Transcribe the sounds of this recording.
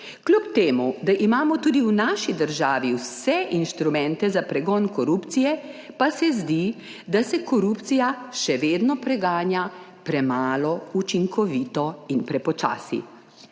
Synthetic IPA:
klʲupt̪eːmud̪aʔimaːmɔt̪uːd̪iwnaʃid̪əɾʒaːʋiwsɛʔinʃt̪ɾumɛ̃nt̪ɛzapɾɛɡɔːnkɔɾuːpt̪sijɛ | pasɛzd̪i | d̪asɛkɔɾupt̪sijaʃɛʋeːd̪nɔpɾɛɡaːnja | pɾɛmaːlɔut͡ʃiŋkɔʋiːt̪ɔinpɾɛpɔt͡ʃa̰ːsḭ

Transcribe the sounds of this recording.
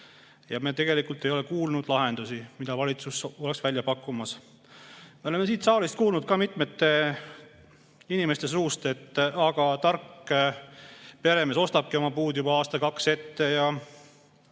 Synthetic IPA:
jɑme̞t̪e̞ɡe̞likult̪ˑejo̞lekuːlnud̪̥lɑɦe̞nd̪̥usimid̪̥ɑvɑlʲit̪suso̞leksvælʲjɑpɑkːˑumɑs | meo̞leme̞s̬iːt̪sɑːlist̪̚kuːlnud̪̥kɑmit̪ˑmet̪ːe̞ | inime̞st̪e̞s̬uːst̪e̞t̪ːɑɡ̥ɑt̪ɑrkː | pe̞ɾemeso̞st̪ɑb̥̚kio̞mɑpuːd̪̥jubɑɑːst̪ɑkɑkse̞t̪ːe̞jɑ

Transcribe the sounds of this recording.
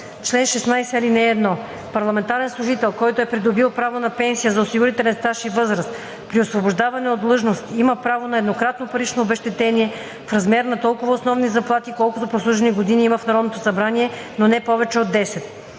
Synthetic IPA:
t͡ʃlɛnʃɛsnajsɛɐlinɛːd̪nɔ | pɐɾlˠɐmɛnt̪aɾɛnslˠʊʒit̪ɛlˠkɔjt̪oɛpɾid̪obilˠpɾavonɐpɛnsijəzɐosiɡʊɾit̪ɛlɛnst̪aʃivɤzɾɐst̪ | pɾiosvoboʒd̪avɐnɛot̪̚dlˠɤʒnost̪imɐpɾavonɐɛd̪nokɾat̪nopɐɾit͡ʃnoːbɛʃt̪ɛt̪ɛniɛ | fɾɐzmɛɾnɐt̪ɔlˠkʊvɐosnɔvnizɐplˠat̪ikɔlˠkʊt̪oposlˠuʒɛniɡod̪iniimɐfnɐɾɔd̪not̪osɐbɾaniɛ | nonɛpɔvɛt͡ʃɛod̪ːɛsɛt̪

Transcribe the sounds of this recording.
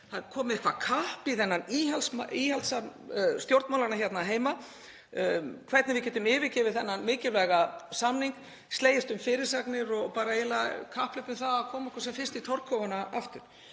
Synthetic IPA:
θakʰɔːmɪɛhkvakʰahpiθɛnːaniɦalsmaihalsast̪jowɾt̪mawlaɾnaçjɛt̪naɦeːjma | kʰvɛɾt̪nɪvɪcɛːt̪ʏmɪːvɪcɛːvɪθɛnːanmɪːcɪlvɛɣasamniŋk | st̪leːjɪst̪ʏmfɪːɾɪɾ̥saknɪɾɔɣpaːɾaeːlakʰahplʏp̪ɪmθaðakʰɔːmɛhkvḁsɛmfɪnst̪it̪ʰɔɾkʰːɔvanaa̰ft̪ʏɾ̥

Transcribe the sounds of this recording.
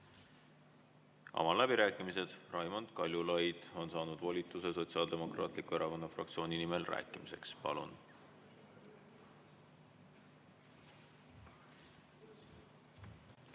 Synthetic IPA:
ɑ̰mɑlæbiɾæːkːˑimise̞d̪̥rɑjmo̞nd̪̥kɑlʲjulɑjd̪̥o̞nsɑːnud̪̥vo̞lʲit̪ˑːuse̞so̞t̪siɑːld̪e̞mo̞krɑːt̪likːue̞ɾɑko̞nːɑfrɑ̰k̚t̪sio̞ːninime̞lræ̰ːkːˑimise̞̰kspɑ̰lṵn

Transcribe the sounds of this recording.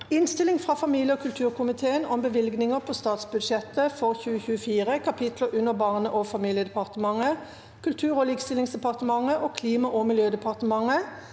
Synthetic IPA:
ɪnst̪ɪlɪŋfʁɑːfɑmiːljəɔːkʰʉlt̪ʰʉːʁkʰʊmɪt̪ʰeːənɔmbəʋɪlɡnɪŋəʁpʰɔst̪ɑːt̪sbʉd̪ʃɛt̪ːəfɔʁçʉːəçʉːəfiːʁəkʰɑpʰɪt̪ləʔʉnːəʁbɑːʁnəʔoːfɑmiːljəd̪ɛpɑʁt̪əmɑŋə | kʰʉlt̪ʰʉːʁoːliːkst̪ɪlɪŋsd̪ɛpɑʁt̪əmɑŋəʔoːkʰliːmɑʔomɪljøːd̪ɛpʰɑʁt̪əmɑŋə

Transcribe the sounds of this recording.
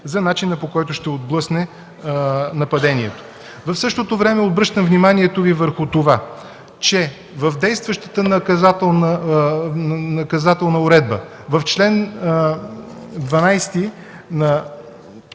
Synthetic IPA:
zɐnat͡ʃinɐpokɔjt̪ʊʃt̪ɛod̪blˠɤsnɛ | nɐpɐd̪ɛniɛt̪o̥ | vɐfsɤʃt̪ot̪ovɾɛmɛod̪̚bɾɤʃt̪əmvnimaniɛt̪ovivəɾxʊt̪ova | t͡ʃɛ | vəvd̪ɛjst̪vəʃt̪ə̥t̪ənɐkɐzat̪ɛlˠnə | nɐkɐzat̪ɛlˠnɐʊɾɛd̪bə | vɐft͡ʃlɛn | d̪vɐnajst̪i | nɐ

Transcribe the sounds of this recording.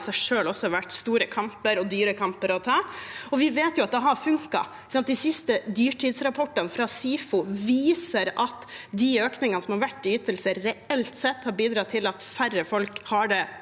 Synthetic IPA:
sæɪʂøːlɔsːɔhɑɾʋæʈːst̪uːɾəkʰɑmpəɾɔd̪yːɾəkʰɑmpəɾɔt̪ʰɑːɔʋɪʋeːt̪jʊɑt̪̚d̪ɛɦɑɾfʉŋkɑ̰ɪkəsɑnt̪̚d̪ɪsɪst̪əd̪yːʈʰiːd̪sɾɑpʰɔʈːɑnfɾɑsiːfʊʋiːsəɾɑt̪d̪ɪøːknɪŋənəsɔmhɑɾʋæʈːɪyːt̪əlsəːɛɛlt̪sɛt̪ːhɑɾbiːd̪ɾɑːt̪ʰɪlɑt̪færːəfɔlkhɑɖɛ

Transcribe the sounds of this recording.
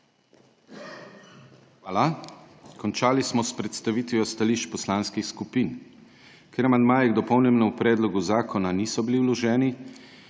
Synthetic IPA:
xʋaːla | kɔnt͡ʃaːlismɔspɾɛt̪st̪aʋit̪ʋijɔst̪aliːʃt͡ʃpɔslaːnskixskupiːn | kʲeɾamand̪maːjɛɡd̪ɔpɔwnɛmnɔupɾɛːd̪lɔɡuzaːkʰɔnaniːsɔbiliwlɔʒɛːni

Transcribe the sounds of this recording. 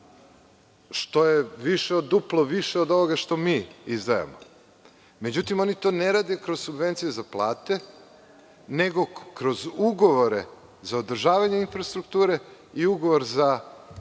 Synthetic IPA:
ʃt̪o̞jeʋiʃeod̪ːuplˠoʋiʃeod̪o̞ʋoɡaʃt̪o̞miːizd̪aja̰mo̰ | me̞d͡ʑut̪imo̞nit̪o̞ːneɾaːd̪ekɾozsubʋe̞nt̪sijezaplˠa̰ːt̪e̞ | neɡo̞kɾo̞zuɡo̞ʋo̞ɾe | zaod̪r̩ʒaːʋaɲe̞infɾast̪ɾukt̪uːɾe̞ | iuɡo̞ʋo̞ɾza

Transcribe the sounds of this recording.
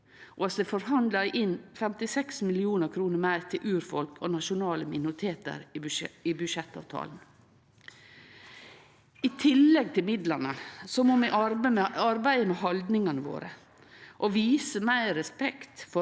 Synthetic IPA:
ʔoɑsd̪ɛfɔɾhɑnd̪lɑʔɪnfɛmt̪ɪsɛksmɪlɪuːnəɾkʰɾuːnəɾmæɪɾt̪ʰɪlʔʉːɾfɔlkʰɔnɑʃʊnɑːləmɪnʊɾɪt̪ʰeːt̪ə̰ɾibʉʃɛt̪ːɑ̰ːʋt̪ʰɑ̰ːln̩ | it̪ʰɪlːɛɡ̚t̪ʰɪlmɪd̪lənəsɔmoːmɛʔəɑɾbæɪəmɛɦɑld̪nɪŋɑnəʋo̰ːɾə | ʔoʋiːsəmæɪɾɛspɛkt̪fɔ

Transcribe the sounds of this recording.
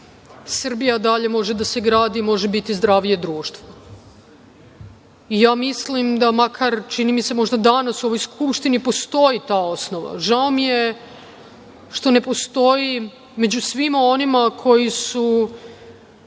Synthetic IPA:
sr̩bijad̪aʎe̞mo̞ʒe̞d̪ase̞ɡɾaːd̪imo̞ʒe̞bit̪izd̪ɾaʋije̞d̪ɾuːʃt̪ʋo | ijaːmislimd̪amakʰaɾt͡ʃinimise̞mo̞ʒd̪ad̪anasuo̞ʋo̞jskʰupʃt̪inipo̞st̪o̞jit̪aːo̞sno̞ʋa̰ʒaomije̞ | ʃt̪o̞ne̞po̞st̪o̞ji | me̞d͡ʑusʋimao̞nimakʰo̞jisu

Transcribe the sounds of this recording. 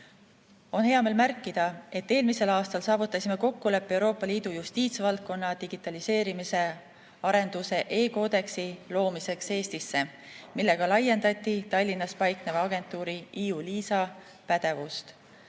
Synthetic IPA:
o̞nhe̞ɑme̞ːlmærkːid̪̥ɑe̞t̪ːe̞ːlmise̞lɑːst̪ɑlsɑːvut̪ːˑɑsʲime̞ko̞kːule̞pːˑe̞wɾo̞ːpːˑɑliːd̪̥ujust̪iːt̪svɑlt̪̚ko̞nːɑd̪̥iɡ̥it̪ːˑɑlise̞ːɾimise̞ | ɑɾe̞nd̪̥use̞ʔe̞ːko̞ːd̪̥e̞ksilo̞ːmise̞kse̞ːst̪isːe̞ | milːe̞ɡ̥ɑlɑjːe̞nd̪ɑt̪ʲːˑit̪ɑlʲːinːɑspɑjk̚neveɑɡe̞nt̪ːˑuːɾiʔiːuliːsɑ | pæd̪̥e̞vust̪

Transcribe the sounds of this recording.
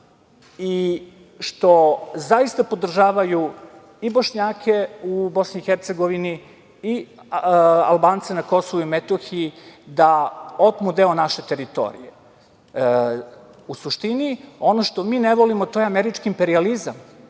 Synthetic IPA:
i | ʃt̪o̞zaist̪apo̞d̪r̩ʒaːʋaju | iboʃɲaːkʰe̞ubo̞sniːxeɾt̪se̞ɡo̞ʋiniː | a̰lˠbaːnt̪senako̞soʋuimet̪oxiid̪ao̞t̪mud̪e̞onaʃe̞t̪e̞ɾit̪o̞̰ɾḭje | usuʃt̪inio̞noʃt̪o̞miːneʋo̞limot̪o̞jeameɾit͡ʃkiːmpe̞ɾializam

